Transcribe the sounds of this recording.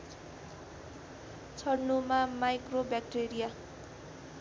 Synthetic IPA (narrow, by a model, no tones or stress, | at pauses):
t͡sʰʌɽnumamajkrobjak̚ʈeɾija